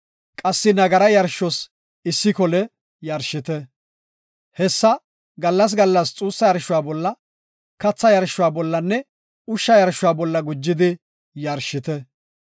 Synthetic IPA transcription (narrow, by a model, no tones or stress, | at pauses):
kʼɐsːɪnɐɡɐɾɐjɐɾʃːɔs | ɪsːɪkɔlɛ | jɐɾʃɪt̪ɛ | hɛsːɐ | ɡɐlːɐs̬ɡɐlːɐst͡sʼuːsːɐjɐɾʃʊwaːbɔlːɐ | kɐt͡sːɐjɐɾʃːʊwaːbɔlːɐnːɛ | ʊʃːɐjɐɾʃʊwaːbɔlːɐɡʊd͡ʒːɪd̪ɪ | jɐɾʃɪt̪ɛ